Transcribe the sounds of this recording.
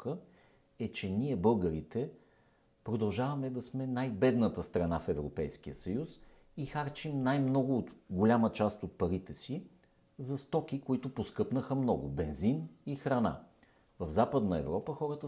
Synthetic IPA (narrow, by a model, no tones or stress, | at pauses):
kə | ɛt͡ʃɛnʲiɛbɤlˠɡəɾit̪ɛ | pɾod̪ɐlˠʒavɐmɛd̪ɐsmɛnajbɛd̪nət̪əst̪ɾɐnafɛvɾopɛjskijəsɐjus | ixaɾt͡ʃimnajmnɔɡʊːt̪ɡolʲamət͡ʃast̪ot̪̚pɐɾit̪ɛsi | zɐst̪ɔk̟ikoit̪ʊposkɤpnəxəmnɔɡʊbɛnzinixɾɐna̰ | vəvzapəd̪nəɛ̰vɾɔpəxɔɾət̪ə